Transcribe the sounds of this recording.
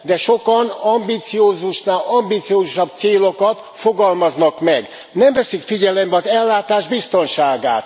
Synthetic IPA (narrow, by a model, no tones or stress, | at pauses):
d̪ɛʃo̞kɒnɒmbiːt̪sioːzuʃnaːlɒmbiːt̪sijoːzuʃɒb̚t̪seːlo̞kɒt̪ | fo̞ɡɒlmɒznɒkmɛɡ | nɛmvɛsykfiɟɛlɛmbɛɒzɛlːaːt̪aːʒbist̪o̞nʃaːɡa̰ːt̪